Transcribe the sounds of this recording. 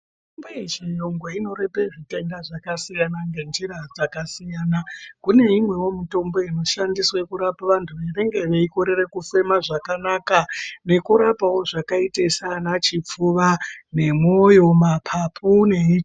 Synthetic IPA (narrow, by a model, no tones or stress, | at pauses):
imboiʐijoŋɡweino̞ɾe̞pe̞ʐite̞ndaʐakasijanaŋɡe̞nd͡ʒiɾad͡zakasijanakune̞imwe̞wo̞mito̞mbo̞ino̞ʃandiswe̞kuɾapaʋantʰuʋeneŋɡe̞ʋeiko̞ɾe̞re̞kufe̞maʐakanakane̞kuɾapawo̞ʐakaitesanat͡ʃip͡fuʋane̞mo̞jo̞mapʰapʰune̞it͡ʃ